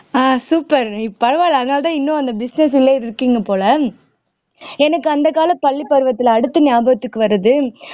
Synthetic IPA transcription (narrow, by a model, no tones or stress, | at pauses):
aːsuːpːɐɾɪpːɐɾɐʋaːlɐðɯnaːlɐt̪ãːɪnːõɐnd̪ɐbɪsnɛsɪlːɐɪðɪɾɯkːiːŋɡɐpoːlɐ | ɛnɐkːɯɐnd̪ɐkaːlɐpɐɭːipːɐɾɯʋɐt̪ːɪlːɽɯt̪ːɯnɪjaːbɐɣɐt̪ːɯkːɯʋɐɾɯðɯ